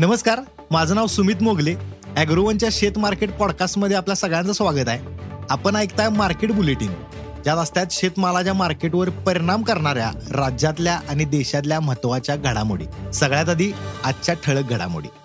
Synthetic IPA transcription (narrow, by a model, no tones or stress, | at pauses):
nəməskaɾ | mad͡zʱənaʋsumiːt̪moɡleæɡɾuʋənt͡ɕjaɕet̪maɾkeʈ̚pɔɽkasʈməd̪ʱːjeapljasəɡɭjãnt͡səsʋaɡət̪aɦeapənajkt̪ajmaɾkeʈbuleʈiːŋ | d͡ʑjat̪əst̪jat̪ɕet̪malat͡ɕjamaɾkeʈʋəɾpəɾiɽ̃amkəɾɳaɾja̰ɾad͡ʑat̪ljaʔañid̪eɕat̪̬ljam̤ət̪ʋat͡ɕjaɡʱəɽamo̰ɽḭːsəɡɭjat̪̬ad̪iːaɕjaʈʰəɭək̚ɡʱəɽa̰mo̰ɽḭː